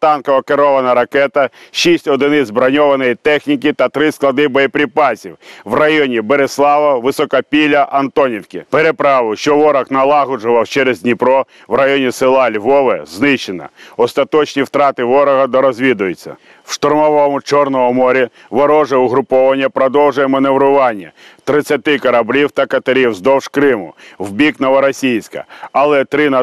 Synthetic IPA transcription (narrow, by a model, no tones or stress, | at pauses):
t̪ɑnkɔʋɐkeɾɔʋɐnɐɾɐkɛt̪ɐʃisʲtʲɔd̪ɪnɪzbɾɐnʲɔʋɐnɔjit̪ɛxnʲikɪt̪ɐt̪ɾɪsklˠɐd̪ɪbɔjipɾʲipɑsʲiwʋrɐjɔnʲibeɾeslˠɑʋɐʋɪsɔkɐpʲilʲɐʔɐnt̪ɔnʲiwkʲipeɾepɾɑʋʊʃt͡ʃɔʋɔɾɐxnɐlˠɑɦʊd͡ʒʊʋɐwt͡ʃɛɾezʲdʲnʲipɾɔ | ʋrɐjɔnʲisɪlˠɑlʲʋɔʋɛznɪʃenɐ̰ɔst̪ɐt̪ɔt͡ʃnʲiwt̪ɾɑt̪ɪʋɔɾɐɦɐd̪ɔɾɔzʲʋʲid̪ʊjʊt͡sʲːɐ̰ | wʃt̪ɔrmɔʋɔmʊt͡ʃɔrnɔɦɔmɔɾʲi | ʋɔɾɔʒɛʊɦɾʊpɔʋɐnʲːɐpɾɔd̪ɔwʒʊjɛmɐneʋɾʊʋɑnʲːɐ̰t̪ɾɪt͡sʲːɐt̪ɪkɐɾɐblʲiwt̪ɐkɐt̪ɐɾʲiwzd̪ɔwʃkɾɪmʊ̰wbʲiknɔʋɐɾɐsʲijsʲkɐ̰ɐlˠɛt̪ɾɪnɐ